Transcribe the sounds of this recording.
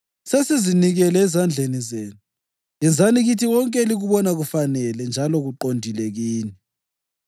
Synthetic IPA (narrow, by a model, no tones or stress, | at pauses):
sesiziniɣɛlɛːzand͡ɮʱenizeːnu | ɛnd͡zʱaniɣitʰiwɔŋkʼɛliɣuβɔnaɣufanɛlɛnd͡ʒʱalɔɣuǃondʱilɛɣiːnɛ